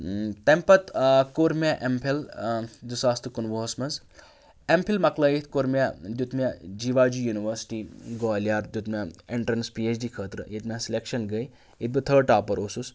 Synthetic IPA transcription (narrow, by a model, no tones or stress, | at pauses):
t̪ɐmpɐt̪koɾmʲaʔempʰild̪usaːst̪ɨkunʋoːɐsmɐnz | empʰilmɐkləːjit̪ʰkoɾmʲad̪ut̪mʲad͡ʒiːʋaːd͡ʒujuːniʋəɾsi̥ʈiːɡɔːljaːɾd̪jut̪mʲaeɳʈɾɐnspiːet͡ʃɖiːkʰəːt̪ɾɨ̰jit̪mʲẽsilekʃɐnɡəj | it̪̚bɨt̪ʰəːɖ̚ʈaːpɐɾoːsus